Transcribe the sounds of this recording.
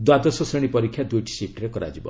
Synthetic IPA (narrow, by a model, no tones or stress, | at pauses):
d̪wad̪ɔsɔsɾeɽ̃ipɔɾikʰːjad̪ujʈi̥sip̚ʈɾekɔɾa̰d͡ʒibɔ̰